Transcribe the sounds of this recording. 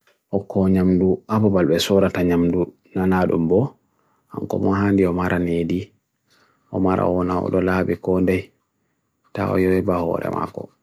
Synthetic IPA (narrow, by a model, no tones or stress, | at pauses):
ʔɔkʰɔɲamduababalbɛsɔɾataɲamdu | nanaɗṵmbɔ | ha̰ŋkɔ̰mɔɦandiɔmaɾanedi | ɔmaɾa̰wɔnaɔ̰ɗɔlabikɔndɛj | ta̰ɔ̰jɔwɛbahɔ̰ɾɛ̰ma̰kɔ̰